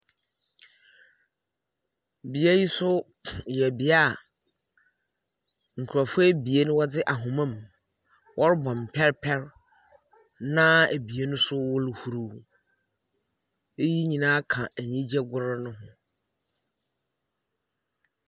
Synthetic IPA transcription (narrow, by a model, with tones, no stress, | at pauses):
bi˨e˦ji˦sʊ˦ | jɛ˨bi˨a˦˨ | ŋ̩˨kʰu˨ɾa˨fʊ˦e˦bi˨e˦nʊ̃˦wɔ˦dɪ˦ʔa˨ɦʊ̃˨mã˦˨m˨ | wʔɔ˦ɾbɔ̃˨m̩˨pʰɛ˦ɾpʰɛ˦ɾ | nã˦æ˨bi˨e˦nʊ̃˦sʊ˦wʊ˦lhu˨ɾu˨ | e˦ji˦ɲĩ˨nãː˦kʰã˨æ˨ɲĩ˦d͡ʑɛ˦ɡʊ˦ɾɪ˦nʊ̃˦ɦʊ̃˦